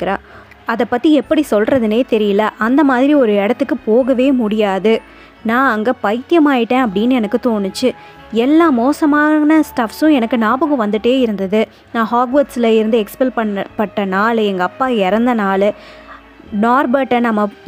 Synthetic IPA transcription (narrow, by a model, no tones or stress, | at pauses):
kːɪɾãː | ɐðɐpːɐt̪ːiɛpːɐɽisɔlrɐðɯneːt̪ɛɾɪjɐlɐʔɐnd̪ɐmaːðɪɾiɔɾɯɛɽɐt̪ːɯkːɯpoːɣɐʋeːmʊɽɪjaːðɯ | nãːɐŋɡɐpɐɪt̪ɪjɐmaːjɪʈːẽːɐpːɐɽɪnːɛnɐkːɯt̪oːnɯt͡ʃːɯ | ɛlːaːmoːsɐmaːnɐsʈɐfsʊ̃ɛnɐkːɯnaːbɯɣɐ̃ʋɐnd̪ɯʈːeːɪɾɯnd̪ɐðɯ | nãːhaːɡʋɐʈsɪlɐɪɾɯnd̪ɯɛkspɛlpɐɐpɐʈːɐnaːlɛŋɡɐːpːaːɛɾɐnd̪ɐnaːl | naːɾbɐʈːɐnɐmːɐ